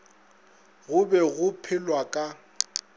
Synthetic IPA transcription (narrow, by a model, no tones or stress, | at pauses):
ɣʊbɛɣʊpʰɪlwakʼa